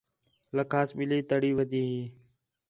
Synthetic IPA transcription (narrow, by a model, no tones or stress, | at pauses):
ləkʰaːsɓiliːt̪əɽiːʋəd̪ʱiːɦiː